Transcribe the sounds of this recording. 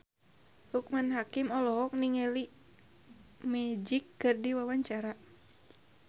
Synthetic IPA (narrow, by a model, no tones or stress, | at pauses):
hukmanɦakimɔlɔɦɔk̚niŋɛli | mɛd͡ʒikːɨrdiwawaɲt͡ʃaɾa